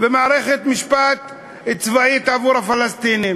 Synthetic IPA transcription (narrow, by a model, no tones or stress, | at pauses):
bemaːɾeχet̪miʃpat̪ | it͡svait̪avuɾhafalast̪inim